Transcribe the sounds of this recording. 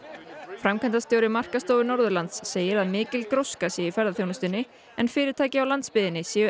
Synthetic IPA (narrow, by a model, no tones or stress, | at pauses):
fɾamkʰɛnt̪ast̪joːwɾɪmar̥kast̪owvɪnɔɾðʏɾlant̪sːeːjɪɾaðmɪːcɪlkɾowskasjɛifɛɾðaθjownast̪ɪnːɪ | ɛnfɪːɾɪɾ̥t̪ʰaːjcɪawlant̪spɪðɪnːɪsjiːʏ